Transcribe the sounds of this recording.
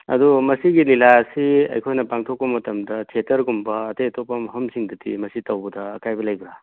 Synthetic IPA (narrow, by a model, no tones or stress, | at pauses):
ɐ̰dumɐsiɡililasiɐ̰jkʰojnɐpaŋtʰok̚pɐmɐtɐmdɐtʰetɐɾɡumbɐːtɐjtʰopɐmɦɐmsiŋdɐtḭmɐsitɐwbɐdɐːkajbɐlɐjbɾa